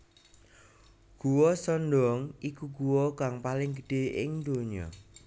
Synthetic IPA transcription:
ɡ̥uwɔsɔnd̪ɔŋʔikuɡuwɔkaŋpalɪŋɡəɖ̥e̤ʔɪ̰ŋd̪oɲɔ̰

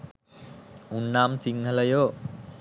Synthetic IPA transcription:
unːamsiŋhʰalajoʔ

